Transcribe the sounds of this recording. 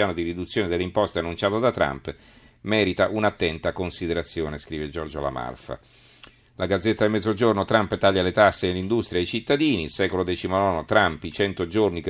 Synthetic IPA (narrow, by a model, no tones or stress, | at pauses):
jaːnod̪irid̪ut̪sːjoːned̪eleimpɔst̪eanːunt͡ʃaːt̪od̪at̪ːɾa̰mp | mɛːɾit̪aʔunat̪ːɛnt̪akonsid̪eɾat̪sːjoːneskɾiːved͡ʒɔrd͡ʒo̰la̰ma̰lfa̰ | lʔaɡad̪zːet̪ːad̪imɛd̪zod͡ʒornot̪ɾampt̪aʎːalet̪asːenelind̪ust̪ɾjaeit͡ʃit̪ːad̪iːnisɛːkolod̪ɛːt͡ʃimonɔːnot̪ɾampit͡ʃɛnt̪od͡ʒornik